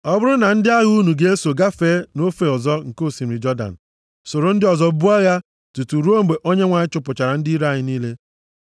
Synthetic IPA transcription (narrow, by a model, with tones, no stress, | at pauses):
ɔ˦bʊ˦ɾʊ˦na˨n̩˦dɪ˦a˦ɣu˦nu˨ɡe˦e˦so˨ɡa˦fe˦no˦fe˨ɔ˨zɔ˦ŋ̩˨ko˦˨si˨m̩˨ɾɪ˨d͡ʒɔ˦da̰˨n̩˨ | so˨ɾo˨n̩˦dɪ˦ɔ˨zɔ˦bu˦a˦ɣa˦ | tu˨tu˨ɾu˦o˦m̩˨ɡ͡be˨ʔo˦ɲe˦ŋʷa˨ɲɪ˦t͡ʃʊ˦pʊ˨t͡ʃa˨ɾa˨n̩˦di˦ɾa˦˨ɲɪ˦niː˦le˦